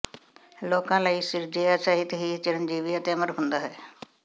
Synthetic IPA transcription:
loːkãːlaːiːsɪɾd͡ʒeːasaːɦɪt̪ɦiːt͡ʃɪɾənd͡ʒiːʋɪjat̪eːəməɾɦʊ̃nd̪aːɦɛː

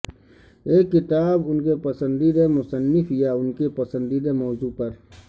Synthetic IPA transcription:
eːkːɪt̪aːbʊnkepɐsə̃nd̪id̪emʊsənːɪfʰijaːʊnkepɐsə̃nd̪id̪emɔːzuːpɐɾ

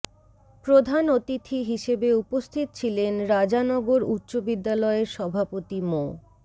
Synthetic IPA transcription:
pɾod̪ʱanot̪it̪ʰiɦiʃebeupost̪ʰit̪ot͡ɕʰilenɾad͡ʑanɔɡoɾut̪ːɕobid̪ːalɔeɾʃɔbʱapot̪imo

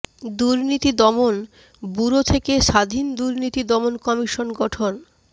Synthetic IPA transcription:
d̪uɾnit̪id̪ɔmon | buɾot̪ʰekeʃad̪ʱind̪uɾnit̪id̪ɔmonkɔmiʃonɡɔʈʰon

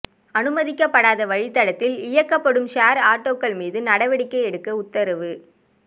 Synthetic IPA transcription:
ɐnɯmɐðɪkːɐpːɐɽaːðɐʋɐɻɪt̪ːɐɽɐt̪ːɪlɪjɐkːɐpːɐɽɯmʃaːɾaːʈːoːkːɐɭmiːðɯnɐɽɐʋɐɽɪkːɐɪɛɽɯkːɐʊt̪ːɐɾɐʋɯ

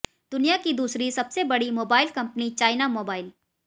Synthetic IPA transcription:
d̪ʊnijakid̪uːsɾisɐbsebɐɽimoːbaːɪlkɐ̃mpnit͡ʃaːɪnamoːbaːɪl

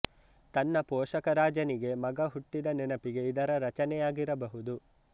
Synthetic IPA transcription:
t̪ɐnːɐpɔːʃɐkɐɾaːd͡ʒɐniɡe̞mɐɡɐɦuʈːid̪ɐnɛnɐpiɡe̞id̪ɐɾɐɾɐt͡ʃɐnɛjaːɡiɾɐbɐɦud̪u

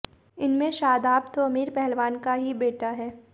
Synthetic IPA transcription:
ɪnmẽʃaːd̪aːpt̪oɐmiːɾpɛɦɛlʋaːnkaɦibeːʈaɦɛː

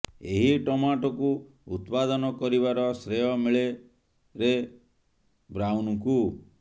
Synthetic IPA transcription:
eɦiʈɔmaʈɔku | ut̪pad̪ɔnɔkɔɾiβaɾɔsɾejɔmiɭe | ɾe | bɾawnɔku

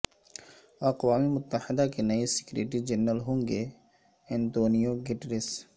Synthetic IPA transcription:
ɐqwaːmemʊt̪ːəhɪd̪akenɐisɪ̥kɾeːʈɾid͡ʒɐnːəlɦõːŋɡe | ɛ̃nt̪oːnijoɡɪʈɾɪs

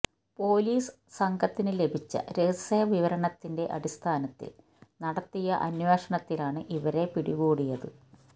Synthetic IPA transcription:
po̞ːliːs | sɐŋɡʱɐt̪ːinɨle̞bʱit͡ɕːɐ̰ɾesɐjɐʋiʋɐɾɐɳɐt̪ːinde̞ʔɐɽist̪ʰaːnɐt̪ːḭl | nɐɽɐt̪ːijɐʔɐnweːʂɐɳɐt̪ːilaːɳɨʔiʋɐɾe̞piɽiɣuːɽijɐðɨ̰

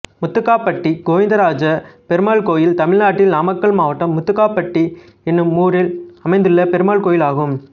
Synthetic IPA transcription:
mʊt̪ːɯkːaːpːɐʈːiɡoːʋɪnd̪ɐɾaːd͡ʒɐpɛɾɯmaːɭkoːjɪlt̪ɐmɪɻnaːʈːɪlnaːmɐkːɐɭmaːʋɐʈːɐmːʊt̪ːɯkːaːpːɐʈːi | ɛnːɯmːuːɾɪlɐmɐɪnd̪ɯɭːɐpɛɾɯmaːɭkoːjɪlaːɣɯm

